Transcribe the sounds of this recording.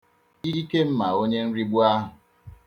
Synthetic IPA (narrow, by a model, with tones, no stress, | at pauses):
i˦i˦ke˦m̩˦ma˨o˦ɲe˦n̩˦ɾi˦ɡ͡bu˦a˦ɦʊ˨